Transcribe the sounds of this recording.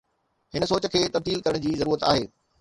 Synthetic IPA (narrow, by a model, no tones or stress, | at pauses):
hɪnə̆soːt͡ɕəkʰeːt̪ɐbd̪iːlkɐɾəɽ̃d͡ʑiːzɐɾuːɾət̪a̰ːɦeː